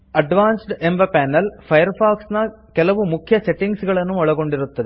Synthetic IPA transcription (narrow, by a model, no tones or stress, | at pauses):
ɐɖʋaːnsɖɨembɐpaːnːɐlfɐjɐrfaːksnɐ | kelɐʋumukʰjɐseʈːiŋɡsuɣɐɭe̞nːumɐɭɐɣo̞ɳɖiɾut̪ːɐðɨ